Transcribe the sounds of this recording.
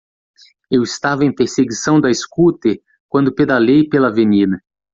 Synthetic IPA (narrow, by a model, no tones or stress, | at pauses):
ewɪst̪avɐẽj̃peɾseɡisɐ̃w̃d̪ɐeskut̪e | kwɐ̃nd̪ʊped̪alejpelɐvenĩnɐ